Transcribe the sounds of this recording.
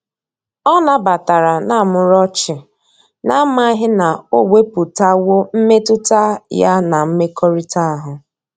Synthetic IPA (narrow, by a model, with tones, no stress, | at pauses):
ɔ˦na˦ba˨ta˨ɾa˨na˦˨mʊ˨ɾɔ˦t͡ʃɪ˨ | na˦m˦a˦ɦɪ˦na˨o˦we˦pu˨ta˦wo˦m̩˦me˦tʊ˦ta˦ja˦na˨m̩˦me˦kʰɔ˦ɾi˦ta˦a˦ɦʊ˨